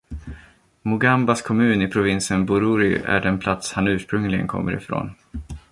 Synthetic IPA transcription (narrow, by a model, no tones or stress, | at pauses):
mʊɡambaskʰɔmʉ̟ːnɪpʰɾʊvɪnsənbʊɾuɾɪæ̰ɖɛnpʰlat̪shanʉ̟ːʂpɾɵŋlɪɡə̰nkʰɔ̰mːəɾɪ̰fɾo̰ːn